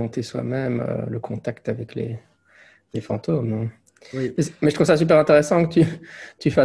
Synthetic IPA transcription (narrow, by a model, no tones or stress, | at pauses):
ɑ̃t̪eswa̰mɛmø̰ləkʰɔ̃t̪akt̪avɛklḛ | lefɑ̰̃t̪omnɛ̃ | mɛsmɛʒət̪χuvsasyp̬ɛʁɛ̃t̪eʁɛsɑ̃kət̪yt̪yfa